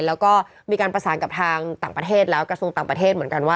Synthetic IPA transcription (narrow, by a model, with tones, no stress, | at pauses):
lɛː˦˥wkɔː˥˩ | miː˧kaː˧npɾa˧saː˩˦nka˨˩p̚t̪ʰaː˧ŋt̪aː˨˩ŋpɾa˧t̪ʰeː˥˩t̪̚lɛː˦˥wkɾa˧su˧əŋt̪aː˨˩pɾa˧t̪ʰeː˥˩t̪̚mɯ˩˦nŋka˧nwaː˥˩